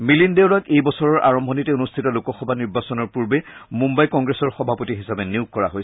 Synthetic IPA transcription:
milindeʊɹakejbɔsɔɹɔɹʔa̰ɹɔmbʱɔnitɛonustʰitɔlukɔxɔbʱaniɹbasɔnɔɹpuɹbɛmũmbajkɔŋɡɹesɔɹxɔbʱapotiɦisapɛniʊkkɔɹa̰ɦojs

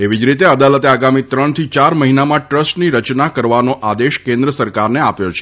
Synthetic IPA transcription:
eʋid͡ʒɾit̪eəd̪alət̪eaɡamit̪ɾəɳt̪ʰit͡ʃaɾməɦinamãʈɾəsʈniɾət͡ʃnakəɾʋanoʔad̪eʃkẽnd̪ɾəsəɾkaɾneapjot͡ʃʰe̥

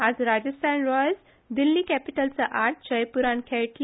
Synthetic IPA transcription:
æzɾad͡ʒəsʈãnɾɔjəs | d̪ilːikɛpiʈəlsəʔaːɾʈ̚t͡ʃəjpuɾãnkʰɛʈl

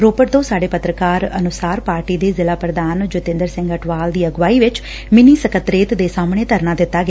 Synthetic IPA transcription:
ɾoːpəʈd̪õːsaːɖeːpət̪ɾəkaːɾə̰nʊsaːɾpaːɾʈiːd̪eːzɪlaːpɾəd̪aːnd͡ʒʊt̪ɪ̃nd̪əɾsɪ̃ŋɡəʈʰʋaːld̪iːəɡʋaːiːʋɪt͡ʃ | mɪniːsəkət̪ɾeːt̪d̪eːsaːmɳeːt̪əɾnãːd̪ɪt̪ːaːɡɪa

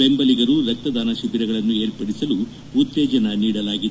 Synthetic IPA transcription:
embɐliɡɐɾuɾɐk̚t̪ɐd̪aːnɐʃuʋiɾɐɡɐɭɐnːue̞ːɾpɐɽisɐlu | ut̪ːeːd͡ʒɐnɐniːɽɐlaːɡid̪

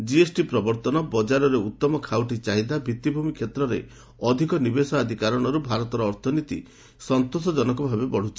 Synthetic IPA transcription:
d͡ʒiesʈipɾɔbɔɾt̪ɔnɔbɔd͡ʒaɾɔɾeut̪ːɔmɔkʰawʈit͡ʃaɦid̪abʱit̪ːibʱumikʰet̪ɾɔɾḛ | ɔd̪ʱikɔnibesɔad̪ʱikaɾɔɽ̃ɔɾubʱaɾɔt̪ɔɾɔːɾt̪ʰɔnit̪ḭ | sɔnt̪osɔd͡ʒɔnɔkɔbʱabebɔɽ̤ut͡ʃʰi̥

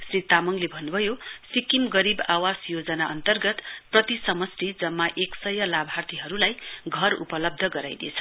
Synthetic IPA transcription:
srit̪amʌŋlebʱʌnːubʱʌjosikimɡʌɾibawasjod͡zʌnaʌnt̪ʌrɡʌt̪prʌt̪isʌmʌsʈid͡zʌmːaʔeksʌjʌlabʱart̪ʰiɦʌɾulajɡʱʌrṵpʌlʌb̚d̪ʱʌɡʌɾa̰jd̪ḛt͡sʰʌ̥

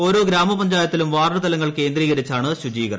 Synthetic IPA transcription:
o̞ːɾo̞ːɡɾaːmɐpɐɲd͡ʑaːjɐt̪ːilumʋaːrɳɐt̪ɐlɐŋːɐɭke̞ːnd̪riːɣɐɾit͡ɕːaːɳɨɕud͡ʑiːɣɐr

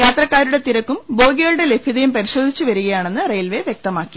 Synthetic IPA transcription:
jaːt̪rɐkːaːɾuɽet̪iɾɐkːumbo̞ːɡiɣɐɭuɽe̞le̞bʱiðɐjumpɐɾiɕo̞ːd̪ʱit͡ɕːuʋɐɾuɣɐjaːɳe̞nːɨrejlʋe̞ʋjek̚t̪ɐmaːkːi̥

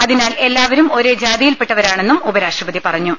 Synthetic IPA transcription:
ɐðinaːle̞lːaːʋɐɾumo̞ɾed͡ʑaːd̪ijilpeʈːɐʋɐɾaːɳe̞nːumubɐɾaːʂrɐbɐðipɐrɐɲːu

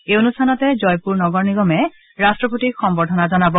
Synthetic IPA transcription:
eonustʰanɔtɛzɔjpuɹnɔɡɔɹniɡɔmɛ | ɹastɹɔpotixɔmbɔdʱɔnazɔnabɔ

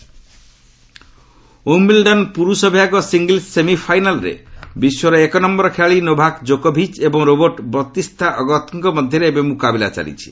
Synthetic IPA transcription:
umbilɖɔnpuɾusɔbʱjaɡɔsiŋɡilsemipʰajnalɾḛbiswɔɾɔekɔnɔmbɔɾɔkʰeaɭinobʱakd͡ʒokɔbʱit͡ʃebɔŋɾobɔɾʈbɾɔt̪ist̪ʰaʔɔɡɔt̪ɔŋkɔmɔd̪ʱjɔɾebemukabila̰t͡ʃa̰lḭt͡ʃʰi̥

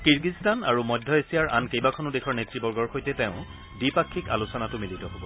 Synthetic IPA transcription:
kiɹɡistana̰ɹumɔjdʱːɔesijaɹʔa̰nkejbakʰɔnʊdekʰɔɹnetɹibɔɹɡɔɹxojtɛteʊ̃ | dipakʰːika̰lusɔnatʊmilitɔɦobɔ

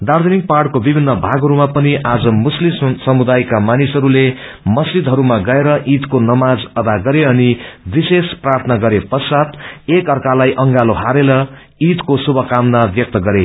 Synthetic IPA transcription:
d̪art̪ʰunik̚parʈkobibʱinːʌbʱaɡʱɦʌɾumapʌniʔad͡zʌmuslimsʌmud̪ajkamanisɦʌɾule | mʌsd͡ʒid̪ɦʌɾumaɡʌeɾʌʔit̪konʌmad͡zʌd̪aɡʌɾeʌnibisesprart̪ʰʌnʌɡʌɾepʌsat̪ekʌrkalajʔʌŋɡaloɦaɾeɾʌ | it̪kosubʱʌkamnabjʌk̚t̪ʌɡʌɾe

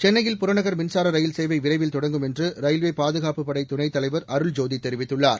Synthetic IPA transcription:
t͡ʃɛnːɐjɪlpʊɾɐɳɐɣɐɾmɪnsaːɾɐɾɐjɪlseːʋɐɪʋɪɾɐɪʋɪlt̪ɔɽɐŋɡɯmɛndrɯɾɐjlʋeːpaːðɯɣaːpɯpːɐɽɐɪt̪ʊnɐɪt̪ːɐlɐɪʋɐɾɐɾɯɭd͡ʒoːðit̪ːɛɾɪʋɪt̪ːɯɭːaːɾ

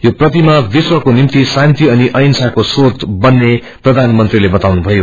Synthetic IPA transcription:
joprʌt̪imabiswʌkonimt̪isant̪iʌniʔʌjnsakosot̪bʌnːe | prʌd̪ʱanmʌnt̪rilebʌt̪awnubʱʌjo

